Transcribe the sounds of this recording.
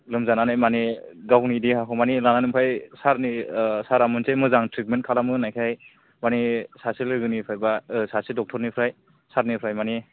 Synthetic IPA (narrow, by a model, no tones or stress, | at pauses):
lɯmzananajmaniɡawnidiɦaɦʰɔmanilananɯmpʰajsaɾnisaɾamɯntʰemɯzaŋtɾit̚men̚kʰalamɯnajkʰaj | manisasilɯɡɯnipʰajbasasidɔk̚tʰɔɾnipʰɾaj | saɾnipʰɾajmani